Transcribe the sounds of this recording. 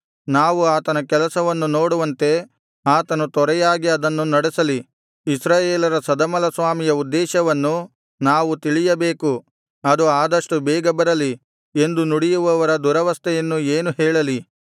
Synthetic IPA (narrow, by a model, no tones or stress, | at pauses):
naːʋuaːt̪ɐnɐkɛlɐsɐʋɐnːuno̞ːɽuʋɐnt̪e̞ | aːt̪ɐnut̪ɔɾɛjaːɡiɐd̪ɐnːunɐɽesɐli | isɾaːjeːlɐɾɐsɐd̪ɐmɐlɐsʋaːmijɐud̪ːɛːʃɐʋɐnːu | naːʋut̪iɭijɐbeːku | ɐd̪uaːd̪ɐʂʈubɛːɡɐbɐɾɐli | e̞nd̪unuɽijuʋɐʋɐɾɐd̪uɾɐʋɐst̪ʰɛjɐnːueːnuɦɛːɭɐli